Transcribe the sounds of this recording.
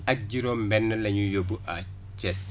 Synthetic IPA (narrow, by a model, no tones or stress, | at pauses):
ɐk̚ɟiɾɔmbɛnːəlɐɲujobuʔa̰ | t͡ʃɛs